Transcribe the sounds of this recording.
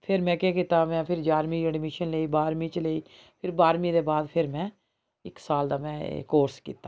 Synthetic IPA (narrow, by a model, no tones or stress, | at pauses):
pʰɪɾmɛ̃ːkeːkit̪aːmɛ̃ːpʰɪɾd͡ʒaːɾmĩːəɖmɪʃənləiːbaːɾmĩːt͡ʃləiː | pʰɪɾbaːɾmĩːd̪eːbaːd̪pʰɪɾmɛ̃ː | ɪ̰ksaːld̪aːmɛ̰̃ːkoːɾskḭːt̪aː